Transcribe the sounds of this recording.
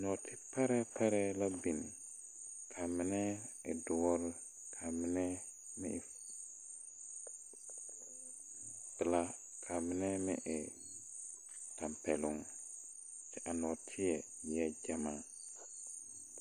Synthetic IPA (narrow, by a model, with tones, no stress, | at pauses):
nɔ˨tʰi˦pa˦ɾɛ˦pa˦ɾɛ˦la˦bi˨ni˨ | kʰa˨mi˦nɛ˦e˨du˨wɔ˦ɾ | kʰa˨mi˦nɛ˦ | mḭ˦˨ | pi˨la˦kʰa˨mi˦nɛ˦mi˦ʔe˨ | ta˨mpe˨lu˦ŋ | si˨ʔa˨nɔ˨tʰi˦ɛ˨jɛ˦d͡ʒa˦ma˨